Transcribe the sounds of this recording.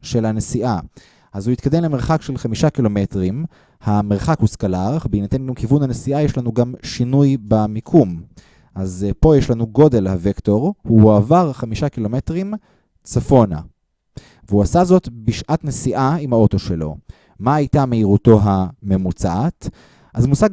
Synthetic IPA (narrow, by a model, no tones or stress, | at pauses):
ʃe̞lhanesiʔa | ʔazuitkad̪emleme̞ʁχakʃelχamiʃakilo̞me̞tʁim | hameʁχakhuskalaʁχbeinat̪enɡamkivunhanesiʔajeʃlanuɡamʃinujbamikʰum | ʔazpo̞jeʃlanuɡo̞de̞lhavekto̞ʁhuavaʁχamiʃakilo̞metʁim | t͡safo̞na̰ | veuasazo̞tbiʃʔatnesiʔaimhao̞toʃelo̞̰ | maːjtameiʁuto̞ɦame̞mut͡saat | ʔazmusaɡ